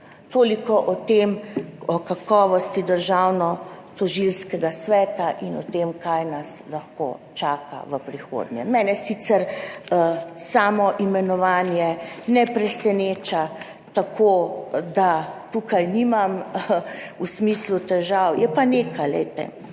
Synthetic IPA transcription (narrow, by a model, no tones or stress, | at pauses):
t̪oːlikɔʔɔt̪emɔkakɔːʋɔst̪id̪əɾʒawnɔt̪ɔʒilskɛɡasʋɛːt̪aʔinɔt̪emkajnaslaxko̰ːt͡ʃaːka̰ʋəpɾixo̰ːd̪njɛ̰mɛːnɛsit̪sɛɾ | saːmɔʔimɛnɔʋaːnjɛnɛpɾɛsɛneːt͡ʃa | t̪akʰoːd̪at̪uːkajnimam | usmislut̪ɛʒawjɛpaneːkajlɛ̰jt̪ɛ̰